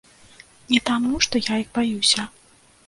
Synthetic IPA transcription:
nʲɛt̪amuʂt̪ɔjajixbajusʲɐ

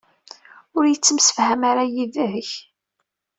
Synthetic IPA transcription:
ʊɾjət͡sːəmsə̥fhæmaɾajiðæɦəç

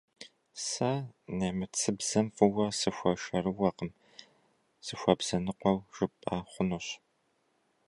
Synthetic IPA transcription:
sɐnɐmɨt͡sʰɨbz̥ɐmfɨwɐsɨxʷɐʃɐrɨwɐqəm | sɨxʷɐbz̥ɐnɨqʷɔwʒ̥ɨpʼaχʷʊnuɕ

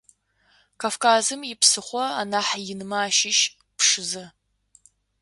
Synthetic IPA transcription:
kʰafkʰaːzɨmjɪpsɨχʷɔa̰naːħjɪnɨmaːʃɪʃ | pʰʂɨzɐ

